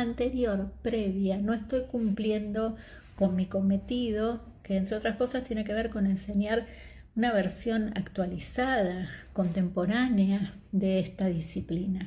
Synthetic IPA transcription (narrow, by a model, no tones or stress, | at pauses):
ant̪e̞ɾjo̞ɾpɾeβjano̞est̪o̞jkumplje̞nd̪o̞ | ko̞nmiko̞me̞t̪ið̞o̞keːnt̪ɾeo̞t̪ɾasko̞sast̪je̞neke̞β̞e̞ɾko̞ne̞nse̞ɲjaɾ | unaβ̞eɾsjo̞na̰kt̪walisað̞ako̞nt̪e̞mpo̞ɾanead̪e̞est̪aðisiplina